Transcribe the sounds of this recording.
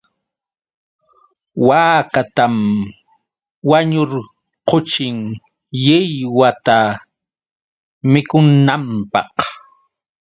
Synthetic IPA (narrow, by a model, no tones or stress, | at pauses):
waːkat̪am | waɲʊɾ | qot͡ʃɪŋ | jɪjwat̪a | mɪkʊnːampɑ̰q